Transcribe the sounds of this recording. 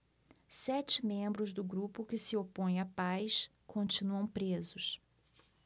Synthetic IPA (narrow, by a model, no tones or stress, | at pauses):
sɛt͡ʃɪmẽmbɾʊzd̪ʊɡɾupʊkɪsɪopõj̃apajs | kõnt͡ʃinuɐ̃w̃pɾezʊs